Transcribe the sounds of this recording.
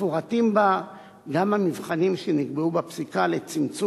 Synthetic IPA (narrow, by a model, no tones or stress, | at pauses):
foʁatimba | ɡamamivχanimʃeniɡbeubapsikalet͡simt͡su